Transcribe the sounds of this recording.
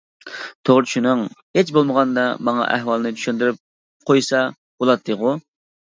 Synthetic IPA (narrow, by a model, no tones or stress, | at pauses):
t̪ʰoʁɾɨt͡ʃʰunɨŋhet͡ʃbolˠməʁɑnd̪ɑmɑŋɑ̰ʔæ̰ɦwɑlˠɨnɨt͡ʃ̪ʰy̥ʃynd̪ɪɾɪp̚ | qʰojsɑ | b̥olˠɑt̪ːɨʁʊ